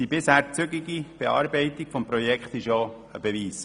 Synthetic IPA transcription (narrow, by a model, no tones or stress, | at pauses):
d̥ibɪshæːɾt͡sʏɡɪɡib̥ɛɑ̰ːɾbɛɪt̪ikfɔmpɾɔjɛkχt̪ɪʃjo | əbɛviːs